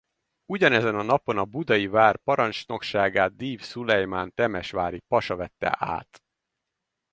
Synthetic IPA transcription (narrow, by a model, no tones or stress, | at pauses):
uɟɒnɛzɛnɒnɒpo̞nɒbud̪ɒjivaːrpɒɾɒnt͡ʃno̞kʃaːɡaːd̪̚d̪iːfsulɛjmant̪ɛmɛʃʋaːɾipɒʃɒvɛt̪ːɛ̰ʔa̰ːt̪